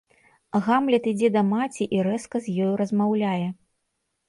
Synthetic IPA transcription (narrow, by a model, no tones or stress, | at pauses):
ɣamlʲɛt̪id͡zʲɛd̪ɐmat͡sʲiʔiɾɛskɐzʲjɔjuɾɐzmawlʲajɛ